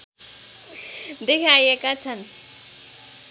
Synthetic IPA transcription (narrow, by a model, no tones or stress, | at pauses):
d̪ekʰajekat͡sʰan